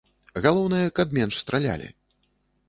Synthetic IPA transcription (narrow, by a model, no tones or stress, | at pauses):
ɣalˠɔwnɨjɐkɐb̚mʲɛnʂst̪ɾalʲa̰lʲḭ